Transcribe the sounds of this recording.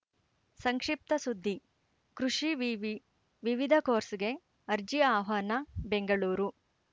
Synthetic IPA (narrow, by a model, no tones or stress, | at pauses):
sɐŋkʂip̚t̪ɐsud̪ʱːi | kɾuʂi | ʋiʋid̪ʱɐkoːɾsiɡe̞ | ɐɾd͡ʒiaːɦɐːnɐbeŋɡɐɭuːɾu